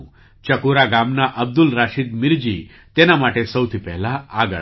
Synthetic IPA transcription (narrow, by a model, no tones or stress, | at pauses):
t͡ʃəkuɾaɡamnaʔəb̚d̪ulɾaʃid̪mɪɾd͡ʒi | t̪enamaʈesəwt̪ʰipɛɦlaːɡə̰